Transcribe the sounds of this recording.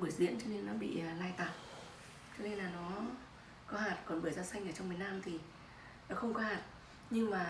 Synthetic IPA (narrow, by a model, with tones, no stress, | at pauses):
ɓɨ˧˩əjzḭ˧˥ənt͡ɕɔ˧ne˧nːɔ˨˦ɓḭ˧˨laː˧jt̪aː˨˩t̚ | t͡ɕɔ˧ne˧nlaː˨˩nɔ˨˦ | kɔ˨˦ɦaː˨˩t̚kɔ˨˩nɓəː˧˩jzaː˧sa˧jŋʔə˧˩t͡ɕɔ˧wŋ͡mmi˨˩ənaː˧mt̪ʰi˨˩ | ɔ˨˦xə˧wŋ͡mkɔ˨˦haː˨˩t̚ | ɲɨ˧ŋmaː˨˩